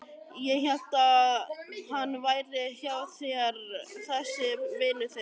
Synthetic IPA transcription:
jɛçɛl̥t̪a | hanːvaːjɾɪçjawθɛɣɾθɛsːɪvɪːnʏθɛ

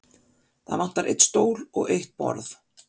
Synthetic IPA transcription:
θaðvan̥t̪aɾʔḛjt̪st̪oːwlɔɣejht̪̚pɔ̰ɾθ

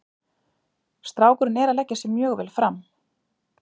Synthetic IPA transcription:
st̪ɾaːwkʏɾɪnɛɾalɛcːasɛmːjœːɣvɛ̰lfɾam

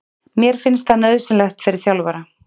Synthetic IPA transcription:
mjɛɾ̥fɪnst̪θanœðsɪnlɛxt̪fɪɾɪɾ̥θjawlvaɾa

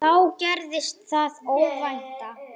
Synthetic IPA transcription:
awcɛɾðɪst̪θaðowvajht̪a

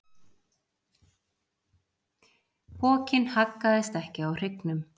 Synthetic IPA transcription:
pʰɔːcɪnhakːaðɪst̪ɛhcɪawr̥ɪknʏm

